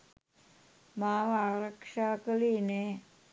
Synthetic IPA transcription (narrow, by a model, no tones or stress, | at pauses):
maʋaɾəkʂakəline